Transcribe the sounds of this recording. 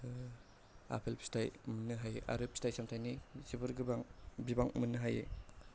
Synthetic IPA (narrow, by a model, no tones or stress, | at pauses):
a̰pʰelpʰstʰajmunːɯɦajḛʔa̰ɾɯpʰistajsamtʰajnizibɯɾɡbaŋbibaŋmɯnːɯɦajḛ